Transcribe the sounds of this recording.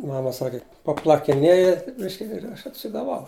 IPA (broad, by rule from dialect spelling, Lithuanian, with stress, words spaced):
ˈmɑːmɐ ˈsɑːkʲɪ pɐplˠɐkʲɪˈnʲeːjɛ ˈbʲɪʃʲkʲɪ ɪr ˈɐʃ ɐtʲsʲɪɡɐˈʋɐʊ